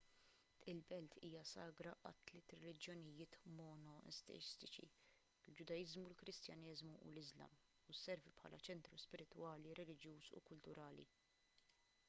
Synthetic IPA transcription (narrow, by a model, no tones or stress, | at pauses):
t̪ʔɪlbɛlt̪ʰiːjɐsɐːɡɾɐʔɐ̰t̪ːlɪːt̪ɾɛlɪd͡ʒjɔnɪjɪːt̪mɔnɔʔɛ̰st̪ɛ̰ɪst̪ɪt͡ʃḭ | ld͡ʒʊd̪ɐjɪzmulkɾɪst̪jɐnɪːzmuʔṵlɪzlɐ̰m | usːɛɾvipħɐ̰ːlɐt͡ʃɛnt̪ɾuspɪɾɪt̪wɐːliɾɛlɪd͡ʒjuːsṵkʊlt̪ʊɾɐːlḭ